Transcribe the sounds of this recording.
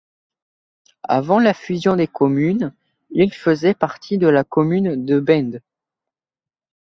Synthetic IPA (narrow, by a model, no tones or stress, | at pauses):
a̰vɑ̃lafyzjɔ̃d̪ekɔmyn | ilfəzɛpaʁt̪ʰid̪əlakɔmynd̪əbɛ̃nd̪